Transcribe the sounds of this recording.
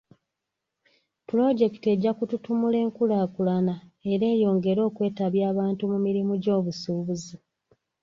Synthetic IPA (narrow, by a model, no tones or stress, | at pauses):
pulo̞ɟe̞kite̞ɟːakututumule̞ːŋkulaːkulanae̞ɾe̞ːjo̞ːŋɡe̞ɾo̞ːkwe̞ːtaβjaːβaːntumumiɾimuɟo̞ːβusuːβuzi